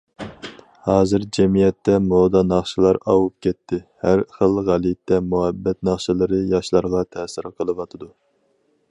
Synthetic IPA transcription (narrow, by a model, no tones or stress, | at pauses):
hɑːzɨɾd͡ʒɛmijɛt̪ʰːɛmod̪ɑnɑχʃɨlˠɑɾɑwup̚kʲʰɛt̪ʰːɪhæɾχəlˠʁælit̪ʰːɛmuhɛbːɛt̪nɑχʃɨlˠɨɾɨjɑʃlˠɑɾʁɑt̪ʰɛsɨɾqʰəlˠɨwɑt̪ʰɨd̪u